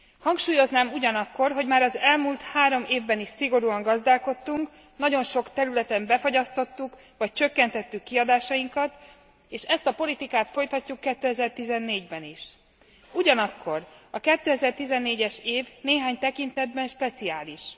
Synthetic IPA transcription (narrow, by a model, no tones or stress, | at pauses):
hɒŋkʃuːjo̞znaːmuɟɒnɒkːo̞rɦo̞ɟmaːɾɒzɛlmult̪haːɾo̞meːvbɛniʃsiɡo̞ɾuɒŋɡɒzd̪aːlko̞t̪ːuŋk | nɒɟo̞nʃo̞kt̪ɛɾylɛt̪ɛmbɛfo̞ɟɒst̪o̞t̪ːuk | ʋɒc̚t͡ʃø̞kːɛnt̪ɛt̪ːykːiɒd̪aːʃɒjiŋkɒt̪ | eːʃɛst̪ɒpo̞lit̪ikaːt̪fo̞jt̪ɒcːukːɛt̪ːøɛzɛrt̪izɛnːeːɟbɛniʃ | uɟɒnɒkʰːo̞rɒkɛt̪ːøːɛzɛrt̪izɛnːeːɟɛʃeːvneːɦaːɲt̪ɛkint̪ɛd̪̚bɛnʃpɛt̪siaːliʃ